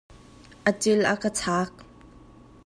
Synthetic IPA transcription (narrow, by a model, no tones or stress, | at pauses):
ʔət͡sɪlʔa̰kət͡sʰaːk̚